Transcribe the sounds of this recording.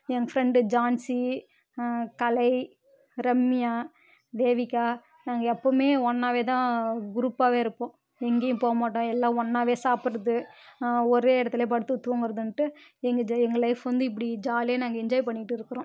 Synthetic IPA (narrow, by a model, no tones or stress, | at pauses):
ɛŋɡɐfɾɛɳɖɯd͡ʒaːnsi | kɐlɐɪ | ɾɛmːɪjaː | d̪eːʋɪkːaː | naːŋɡɐɛpːomeːɔnːaːʋeːt̪ãːɡʊɾuːpːaːʋeːɪɾɯpːõː | ɛŋɡeːjʊ̃poːɐmaːʈːõːɛlːãːɔnːaːʋeːsaːpɪɾɐðɯ | ɔɾeːɪɽɐt̪ːɪleːp̬ɐɽɯt̪ːɯt̪ːɯʋõːŋɡɪɾɐðɯnʈːɯɛŋɡɐd͡ʒɛŋɡɐlɐɪfʋɐnd̪ɯɪp̬ːɐɽid͡ʒaːleːnaːŋɡɐɪɲd͡ʒaːjpɐɳːɪʈːɯɪɾɯkːɯɾõ